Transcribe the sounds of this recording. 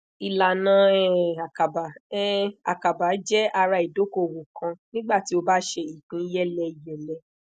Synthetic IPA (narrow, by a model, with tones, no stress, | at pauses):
i˧la˨nã˨˦ɛ˦˨a˨ka˨ba˨ɛ˦a̰˨ka˨ba˨˦d͡ʒɛ˦a˧ɾa˧i˨do˨˦ko˦˨wo˨kã˧nĩ˦ɡ͡ba˦˨ti˦o˧ba˦ʃe˧i˨k͡pĩ˨˦jɛ˦lɛ˧i˨jɛ˨lɛ˧˦